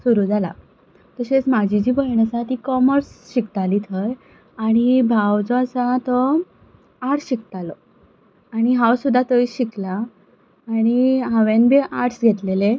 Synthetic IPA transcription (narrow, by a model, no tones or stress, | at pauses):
suɾuːd͡zala̰ | t̪əɕet͡smad͡ʑʱid͡ʑiːbəɦɳəsat̪ikɔməɾsɕikt̪aliːt̪ʰəj | aɽ̃ibʱawd͡zɔasat̪ɔ | aɾʈɕik̚t̪alɔ | aɽ̃iɦawsud̪ʱːat̪əiɕiklaː | ɽ̃iɦãʋẽnbʱeʔaɾʈsɡʱet̪lele